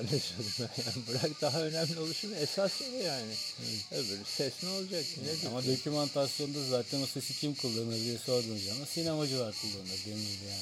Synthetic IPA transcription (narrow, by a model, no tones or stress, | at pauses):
nesolunajaːnbɯɾakd̪aɦaø̞næmlʲio̞lˠuʃunɛsasejaːnɪɛbeɾisɛsnolˠd͡ʒak̚t͡ʃ̪ʰinedamad̪o̞cʲʰymant̪ʰasijo̞nd̪azaːt̪ʰɛnosesit͡ʃʰimkʰulˠːaɾɯnabijɛso̞ɾd̪und͡ʒaamasinamad͡ʒɯlaɾkʰulˠːaɾɯnd̪ad̪emid̪ija